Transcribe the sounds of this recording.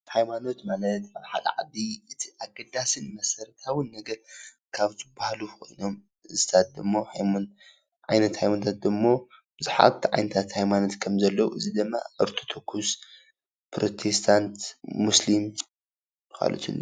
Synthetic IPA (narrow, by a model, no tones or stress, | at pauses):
hajmano̞t̪malɐt̪aβħa̰lɐ̰ʕa̰d̪iʔɨt̪ʰiʔaɡɐd̪asɨnmɐsɐɾt̪ʰawɨnːɐɡɐl | kʰaβzɨbahlukʰo̞̰jno̞m | ɨzɨt̪ʰat̪̚d̪ɨmːohajmon | ʕajnɐt̪hajmanot̪ʰat̪̚d̪ɨmːo̞b̥ɨzuħa̰βt̪ʰiʕa̰jnɐt̪ʰat̪hajmano̞t̪kʰɐmzɐlːɐwuɨzid̪ɨmːa̰ʔɨɾt̪ʰo̥t̪ʰokʰːus | pɾo̞t̪ʰe̞st̪ʰant̪muslim | ka̰lo̰t̪ʰɨ̰lːo